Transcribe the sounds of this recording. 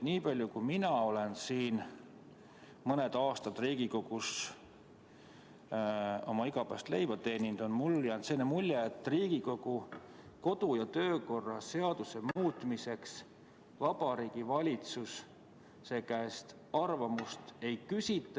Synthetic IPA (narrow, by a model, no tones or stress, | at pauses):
niːpɑlʲjukujminɑo̞le̞nsiːn | mɤne̞d̪̥ɑːst̪ɑd̪̥riːɡ̥iko̞ɡ̥us | o̞mɑiɡ̥ɑpæ̰ːst̪le̞jvɑt̪e̞ːnind̪̥o̞nmuljɑnt̪seːnemulʲjeːt̪ːˑriːɡ̥iko̞ɡ̥u | ko̞d̪̥ujɑt̪ø̞ːko̞rːɑse̞ɑd̪̥use̞muːt̪ˑmise̞ks | vɑb̥ɑɾiːɡ̥ivɑlʲit̪susː | ekæest̪ | ɑrvɑmust̪e̞jkysʲit̪ːˑɑ